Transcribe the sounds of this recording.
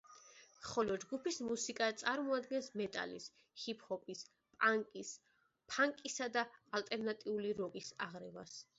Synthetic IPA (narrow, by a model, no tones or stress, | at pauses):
χɔlɔd͡ʒɡupismusikʼat̪sʼaɾmɔad̪ɡɛnsmɛt̪ʼa̰lḭs | hipʰhɔpʼis | pʼaŋkʼis | pʰaŋkʼisad̪aːlt̪ʼɛɾnat̪ʼiuliɾɔɡisa̰ʁɾɛva̰s